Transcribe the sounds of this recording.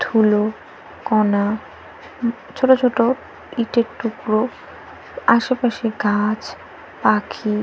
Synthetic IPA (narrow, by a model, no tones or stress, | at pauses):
t̪ʰulo | kɔna | t͡ɕʰoʈot͡ɕʰoʈo | iʈeɾʈukɾo | aʃepaʃiɡad͡ʑ | pakʰi